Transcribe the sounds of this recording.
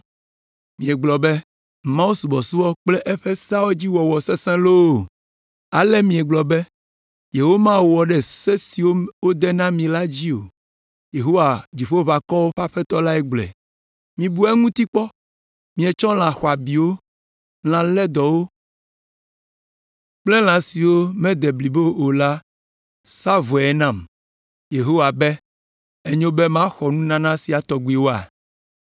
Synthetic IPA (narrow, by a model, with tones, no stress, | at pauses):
mĩ˨ɛ˨ɡ͡blɔ˨be˦ | mã˦u˦su˨bɔ˨su˦wɔ˦k͡plɛ˦ʔɛ˦ɸe˦sa˦wo˦d͡ʑi˦wɔ˨wɔ˨sɛ˦sɛ̃˦lo˦o˨ | a˨le˦mĩ˨ɛ˨ɡ͡blɔ˨be˦ | je˨wo˦mã˦wo˨wɔ˨ɖɛ˨se˦si˨wo˦wo˦d̪ɛ˦nã˦mĩ˨la˦d͡ʑi˦o̰˨ | je˨ɦo˦wa˨d͡ʑi˨ɸo˦βa˨kɔ˦wo˦ɸa˦ɸɛ˦t̪ɔ˦la˦ɛ˦ɡ͡blɛ̰˨ | mĩ˨bu˦ɛ˦ŋũ˦t̪i˦k͡pɔ˦ | mĩ˨e˨t͡ʃɔ̃˦l̃ã˨xɔ˨a˨bi˨wo˦ | l̃ã˨lɛ˦d̪ɔ˨wo˦ | k͡plɛ˦l̃ã˨si˨wo˦mɛ̃˦d̪ɛ˨bli˨bo˦o˨la˦ | sa˦vɔ˨ɛ˦nã˦˨m | je˨ɦo˦wa˨bɛ˦ | e˦ɲõ˦be˦mã˦xɔ˨nũ˦nã˨nã˦si˨a˨t̪ɔ˨ɡu˨i˨wo˦a̰˨